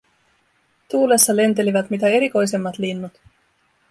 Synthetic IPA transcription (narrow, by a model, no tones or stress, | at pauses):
t̪uːlesːɑle̞nt̪e̞liʋæt̪mit̪æe̞ɾiko̞jse̞mːɑt̪linːut̪